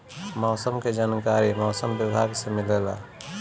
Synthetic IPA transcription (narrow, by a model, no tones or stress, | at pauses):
mɔːsəmked͡ʒaːnkaːɾimɔːsəmbɪbʱaːɡsemɪlela̰